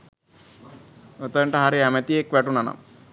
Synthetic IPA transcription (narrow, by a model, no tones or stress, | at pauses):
ot̪əɳʈəɦaɾeɛmet̪ijekʋɛʈunana̰m